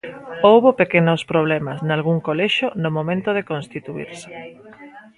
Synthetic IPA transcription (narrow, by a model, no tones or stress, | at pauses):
owβopekenospɾoβ̞lɛmasnalɣ̞uŋkolɛʃonomomẽnt̪oðekonst̪it̪uḭɾsɪ̥